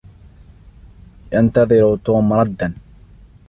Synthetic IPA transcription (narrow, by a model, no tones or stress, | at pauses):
jant̪ɑðˤɪɾut̪uːmɑɾˤɑd̪ːan